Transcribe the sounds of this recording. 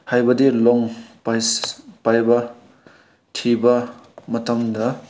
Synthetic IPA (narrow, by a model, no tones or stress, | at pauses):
hajbɐdilɔŋpajspajbɐ | tʰibɐmɐtɐmdɐ